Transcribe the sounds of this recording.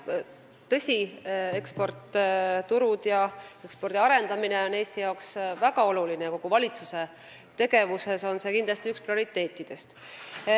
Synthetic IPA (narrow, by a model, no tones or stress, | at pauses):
t̪ɤ̞sʲie̞kspo̞rt̪t̪uɾud̪̥jɑe̞kspo̞rd̪iɑɾe̞nd̪ɑmineo̞ne̞ːst̪ijɑoksvæɡ̥ɑo̞lulineɑko̞ɡ̥uvɑlʲit̪suse̞ | t̪e̞ɡe̞vuse̞so̞nse̞kind̪lɑst̪iyksprio̞ɾit̪ːˑe̞ːt̪ːˑid̪̥e̞st̪